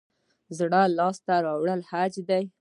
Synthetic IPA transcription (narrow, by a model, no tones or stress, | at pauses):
zɽalɑst̪aɾɑwɽəlhad͡ʒd̪aj